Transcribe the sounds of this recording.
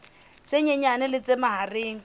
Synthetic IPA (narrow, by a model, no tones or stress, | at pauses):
t͡sʼeɲeɲanɪlɪt͡sʼɪmaɦarɪːŋ̩